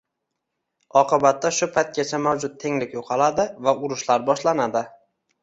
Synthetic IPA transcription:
ɒqɨbat̪ːaʃʊpʰajt̪̚kʲat͡ʃʰamawd͡ʒʊt̪̚t̪ʰe̞ŋlɪkʲjoqʰɑlad̪ɪvaʊɾʊʃlaɾbɒʃlanad̪ɪ

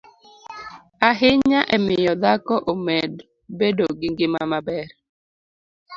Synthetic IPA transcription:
aɦɪɲaʔɛmɪjɔd̪akɔʔomɛd | bedoɡɪŋɡɪmamabɛɾ

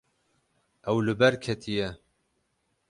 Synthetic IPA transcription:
ʔɛwlɨbɛɾkʰɛt̪ʰijɛ

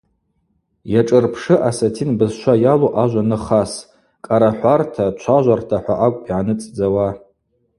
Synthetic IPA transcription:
jaʈ͡ʂʼɨrpʰʂɨʔasatʰinbɨzʃʷʰajaloʔaʒʷanɨχas | kʼaɾaħʷartʰat͡ʃʷʰaʒʷartʰaħʷaʔakʷʼpʼiʕanɨt͡sʼd͡zawa

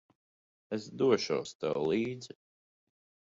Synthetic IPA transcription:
esd̪uɔʃṵwst̪ɛ̰wlˠiːd̪zi

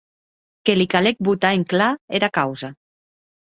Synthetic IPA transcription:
kelikalek̚but̪aeŋklaeɾakawza

